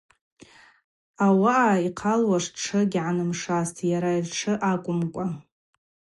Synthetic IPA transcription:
awaʔaiqʰalwaʂʈ͡ʂʰɨɡʲʕanɨmʂastʰjaɾairʈ͡ʂʰɨʔakʷʼʊmkʷʼa

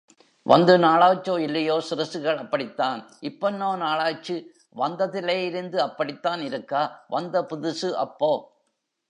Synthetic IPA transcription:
ʋʔɐ̰nd̪ɯnaːɭaːt͡ʃːoːɪlːɐjoːsɪɾɐsɯɣɐɭɐpːɐɽɪt̪ːaːnɪpːɐnːoːnaːɭaːt͡ʃːɯ | ʋɐnd̪ɐðɪleːjɪɾɯnd̪ɯɐpːɐɽɪt̪ːaːnɪɾɯkːaːʋɐnd̪ɐpʊðɯsɯʔɐ̰pːoː

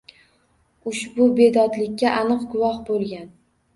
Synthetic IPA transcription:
ʊʃbʊbe̞d̪ɒd̪lɪkʲːaʔanɨqɡʊwɒhbolˠɡʲan

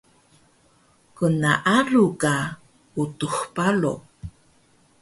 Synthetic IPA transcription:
kənaʔaluka | utuxpalo̰

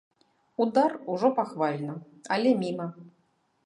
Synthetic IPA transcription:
ud̪aruʐɔpaxvalʲnɐ | ɐlʲɛmʲimɐ

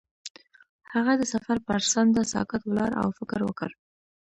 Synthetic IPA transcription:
haɣad̪əsafaɾpaɾsand̪əsɑ̰kat̪wlɑɾa̰wfɪkɾwəkə̰ɾ

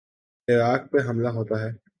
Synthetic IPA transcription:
ɪɾaːk̚peɦɐmlaɦoːt̪aɦɛː

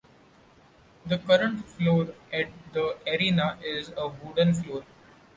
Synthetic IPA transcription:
d̪əkʌɾə̃ɳʈfloːɾɛʈ̚d̪əəɾiːnaʔɪzəʋʊːɖə̃nfloːɾ

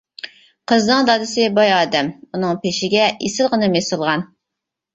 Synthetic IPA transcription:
qʰəznɨŋd̪ɑd̪ɨsɨbɑjɑːd̪ɛmunɨŋpeʃɪɡʲɛʔesɪlˠʁənɨmesɨlˠʁɑn

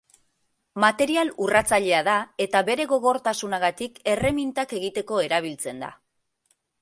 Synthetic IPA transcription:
mat̪e̞ɾialurat͡saʎe̞aðae̞t̪aβe̞ɾe̞ɣo̞ɣ̞o̞ɾt̪asunaɣat̪ike̞re̞mint̪ake̞ɣit̪e̞ko̞e̞ɾaβ̞ilt͡se̞nd̪a̰

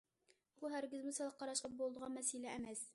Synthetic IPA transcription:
buɦæɾɡʲɪzmusɑlˠɑqːɑɾɑʃlˠɤp̚bolˠd̪ɤʁɑnmæsilæːmæs

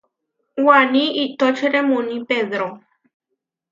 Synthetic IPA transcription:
waniit̪ɔt͡ʃeɾemunipeðɾo

